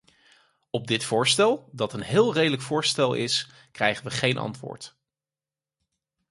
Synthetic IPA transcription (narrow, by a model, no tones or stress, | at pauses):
ɔb̚dɪtfʊːɹstɛlˠdɑtənɦɪːlˠrejdələkfʊːɹstɛlˠɪ̰s | krɛjχənʋəχejnʔɑ̰ntʋʊ̰ːɹt